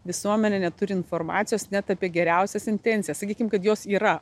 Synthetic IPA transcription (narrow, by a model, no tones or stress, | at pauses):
ʋʲɪsuɔmʲɛnʲɛnʲɛt̪ʊɾʲɪɪnfoːɾmɑ̰ːt̪sʲɪjoːsnʲɛt̪ɐpʲiɛɡʲɛɾʲæˑʊsʲɛsɪnʲt̪ʲɛnʲt͡s̪ʲɪjɛsɐkʲiːkʲɪmkɐt̪joːsiːɾɐ